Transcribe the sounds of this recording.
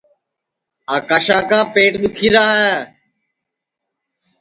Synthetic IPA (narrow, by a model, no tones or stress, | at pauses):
aːkaːʃãːkãːpeːʈɗ̪ɪkʰiːɾaːeː